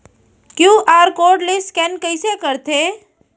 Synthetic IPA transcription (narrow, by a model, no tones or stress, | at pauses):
kjũʔaːɾkoɾɖleskɛnkəjsekəɾt̪ʰe